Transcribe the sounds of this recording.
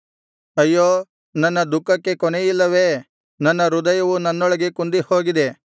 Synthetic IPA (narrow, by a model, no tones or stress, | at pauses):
ɐjːoː | nɐnːɐd̪ukːɐkːe̞kɔnejilːɐʋe̞ | nɐnːɐɾud̪ɐjɐʋunɐnːɔɭɐɡe̞kund̪ihoːɡid̪e̞